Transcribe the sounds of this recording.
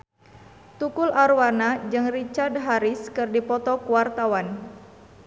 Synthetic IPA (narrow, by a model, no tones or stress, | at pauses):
t̪ukulʔaɾwanad͡ʒɨŋrit͡ʃard̪ɦaɾiskɨrdipɔt̪ɔkuwart̪awan